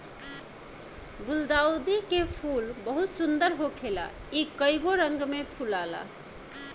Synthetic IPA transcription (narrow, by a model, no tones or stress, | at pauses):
buld̪aud̪ikepʰulbəɦut̪sund̪əɾɦokʰela̰ | ikəjɡoɾəŋɡmepʰulala̰